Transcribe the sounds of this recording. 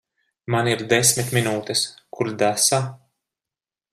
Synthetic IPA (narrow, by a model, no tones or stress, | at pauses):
maniɾd̪esʲmit̪minuːt̪ɛskʰuɾd̪asa